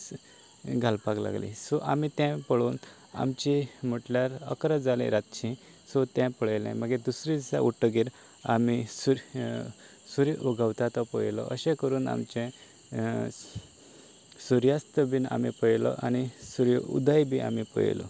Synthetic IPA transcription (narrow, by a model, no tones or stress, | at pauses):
ɡʱalpakla̰ɡlḭ̃sɔʔamit̪ɛ̃pəɭuːn | a̰mt͡ɕim̤əʈljaɾə̰kɾəd͡zalḭ̃ɾat̪t͡ɕʰĩ | sɔt̪jɛ̃pəɭelɛ̰̃məɡɛd̪usɾit͡sa̰ʔuʈəɡiɾ | amisu | suɾiʔuɡʱawt̪at̪ɔpəjlɔ̰ʔə̰ɕɛ̃kəɾuːna̰mt͡ɕɛ̃ | suɾjast̪əbiːna̰mipəjlɔ̰ʔanisuɾṵd̪ajbʱia̰mipə̰j̰lɔ̰